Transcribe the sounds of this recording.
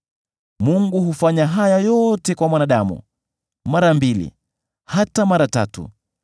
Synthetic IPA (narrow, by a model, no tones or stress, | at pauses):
muŋɡuhufaɲaɦajajɔtɛkwamwanaɗamṵ | maɾambilḭ | hatamaɾata̰tṵ